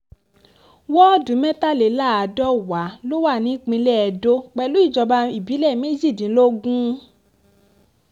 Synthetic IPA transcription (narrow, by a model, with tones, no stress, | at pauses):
wɔ˦˨dũ˨˦mɛ̃˦ta˦˨le˨˦la˦˨a˨dɔ˦wa˨˦lo˦wa˦˨nĩ˨˦k͡pĩ˧lɛ˦ɛ˨˧do˦k͡pɛ˧lu˦i˦˨d͡ʒɔ˧ba˧i˦˨bi˨˦lɛ˦˨me˦d͡ʒi˦˨dĩ˨˦lo˦ɡũ˦